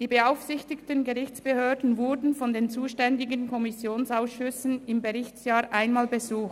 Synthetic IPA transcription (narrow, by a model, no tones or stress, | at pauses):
d̥iːbəaʊfsɪçtɪktənɡəʁɪçt͡sb̥əhøːɐdn̩vʊɾdn̩fɔndeːnt͡suːʃtɛndɪɡənkʰɔmɪsjoːnsaʊsʃʏsn̩ɪmɡəʁɪçsjaːʔaɪnmaːlbəzuːxt